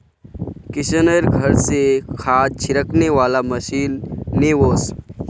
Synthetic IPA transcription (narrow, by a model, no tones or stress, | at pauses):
kɪʃəneɾɡʱəɾsekʰaːd͡ʒ̚t͡ʃʰɪɾəkneʋaːlaməʃiːnːeːʋoːs